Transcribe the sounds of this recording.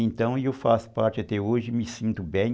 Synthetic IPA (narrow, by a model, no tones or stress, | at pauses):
ẽnt̪ɐ̃w̃ɪewfasʊ̥paɾt͡ʃɪat̪ɛoʒɪmɪsĩnt̪ʊbẽj̃